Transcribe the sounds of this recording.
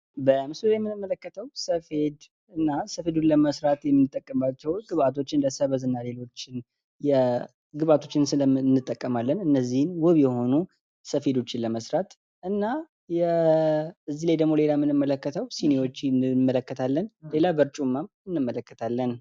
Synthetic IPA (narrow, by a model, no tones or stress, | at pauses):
bəmɨsuljɛmːɨnɨmːələkːət̪ʰəwsəfe̞d̪ | ɨnːasəfe̞d̪unləməsɾat̪jɛmːɨnːɨt̪ʼːəkʼːəmbat͡ʃːɛwɡɨβat̪ʰo̞t͡ʃːɪnləsəβəzɨnːale̞lo̞t͡ʃːɪn | jɛ | ɡɨβat̪ʰo̞t͡ʃːɪnsɨnːɨt̪ʼːəkʼːəmalːənɨnːəzːihɨnwɔβjɛho̞nu | səfe̞d̪o̞t͡ʃːɪnləməsɾat̪ | ʔɨnːa | jɛ | ɨzːilajd̪əɡmo̞le̞lamɨnɨmːələkːət̪ʰəwsinewo̞t͡ʃːnɨmːələkːət̪ʰalːənle̞labəɾt͡ʃʼumːam | ɨnːɨmːələkːət̪ʰalːən